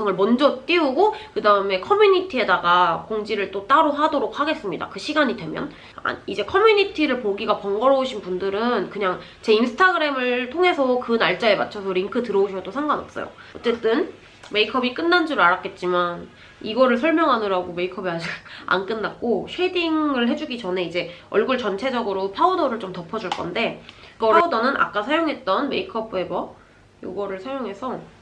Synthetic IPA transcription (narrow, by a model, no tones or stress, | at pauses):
ŋɯɭmʌnd͡ʑʌt͈iuɡokɯdaɯme̞kʰʌmjuɲitʰie̞daɡakoŋd͡ʑiɾɯɭt͈ot͈aɾoɦadoɾok̚haɡe̞s͈ɯmɲida̰kɯɕʰiɡaɲidwe̞mjʌ̰n | a̰id͡ʑe̞kʰʌmjuɲitʰiɾɯɭpoɡiɡapʌŋɡʌɾʌuɕʰinpundɯɾɯnkɯɲaŋ | t͡ɕe̞insʰɯ̥tʰaɡɯɾe̞mɯɭtʰoŋɦe̞sʰʌkɯnaɭt͡ɕ͈aemat̚t͡ɕʰʌsʰʌɾiŋkʰɯtɯɾʌuɕʰʌdosʰaŋɡanʌps͈ʌ̰jo̰ʌt͡ɕ͈e̞t͈ɯn | me̞ikʰʌbik͈ɯnːand͡ʑuɾɯɭaɾak͈e̞t̚t͡ɕ͈iman | iɡʌɾɯɭsʰʌɭmjʌŋɦadɯɾaɡome̞ikʰʌbiad͡ʑiɡa̰nk͈ɯnːak̚k͈oɕʰediŋɯɭɦe̞d͡ʑuɡit͡ɕʌne̞id͡ʑe̞ʌɭɡuɭt͡ɕʌnt͡ɕʰe̞d͡ʑʌɡɯɾopʰaudʌɾɯɭt͡ɕomtʌpʰʌd͡ʑuɭk͈ʌnde̞pʰaudʌnɯnʔa̰k͈asʰajoŋɦe̞t̚t͈ʌnme̞ikʰʌbe̞bʌ | jo̰ɡʌɾɯɭsʰajoŋɦe̞sʰʌ